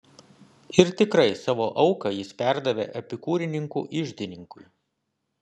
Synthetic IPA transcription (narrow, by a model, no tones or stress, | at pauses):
ɪɾt̪ʲɪkɾɐɪsɑːʋoːʔɐʊkɐjɪspʲæˑɾd̪ɐʋʲḛːʔɐpʲɪkuːɾʲɪnʲɪŋkṵːʔɪʒʲd̪ʲɪnʲɪŋkʊj